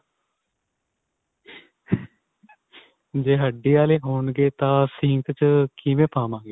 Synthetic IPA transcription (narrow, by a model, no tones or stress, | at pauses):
d͡ʒeːɦəɖːiːaːleːɦoːɳɡeːt̪ãːsɪ̃ːŋkt͡ʃkiʋẽːpaːmãːɡeː